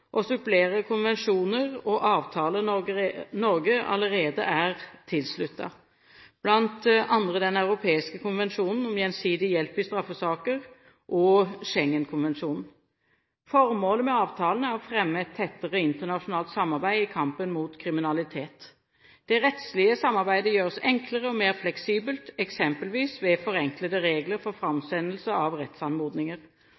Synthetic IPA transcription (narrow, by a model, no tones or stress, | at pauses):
ʔɔsʏpleːɾəkʰʊnʋɛnʂuːnəʁɔʔɑːʋt̪ʰɑːlə | nɔɾɡəɑ̰ləɾeːd̪ə̰ʔæʁt̪ʰɪlslʉt̪ːɑ̰ | b̥lɑnt̪ɑnd̪ʁəd̪ɛnɑʉʁʊpʰeːɪskəkʰʊnʋɛnʂuːnn̩ɔmjɛnsiːd̪ɪjɛlpɪst̪ɾɑfːəsɑːkəʁ | ʔɔʂɛŋːənkʰʊnʋɛnʂuːnn̩ | fɔɾmoːləmɛɑːʋt̪ʰɑːlnæʁɔfʁɛmːəɛt̪ʰːɛt̪ːəʁəɪnt̪əʁnɑʂʊnɑːlt̪sɑmːɑʁbæɪɪkʰɑmpənmuːt̪kʰʁɪmɪnɑlɪt̪ʰeːt̪ | d̪̥ɛɾɛt̪slɪəsɑmːɑʁbæɪd̪əjøːʁsɛŋkləʁəɔmeːʁflɛksiːbəlt̪ɛksɛmpəlʋiːsʋɛfɔɾɛŋklət̪əɾeːɡləɾfɔʁfɾɑmsɛnəlsəɑʋʁɛt̪sɑnmuːd̪nɪŋəʁ